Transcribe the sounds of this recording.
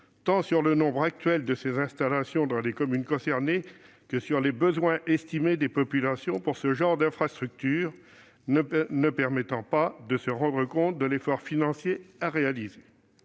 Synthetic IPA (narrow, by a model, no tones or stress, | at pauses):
t̪ɑ̃syʁlənɔ̃bʁak̚t̪ɥɛld̪əsezɛ̃st̪alasjɔ̃d̪ɑ̃lekɔmynkɔ̃sɛʁne | kəsyʁlebəzwɛ̃ʔɛst̪imed̪epɔpylasjɔ̃puʁsəʒɑ̃ʁd̪ɛ̃fχast̪χyk̚t̪yːʁ | nəpɛʁmɛt̪ɑ̃pad̪əsəʁɑ̃d̪ʁəkɔ̃t̪̚d̪əlefɔʁfinɑ̃sjeaʁealize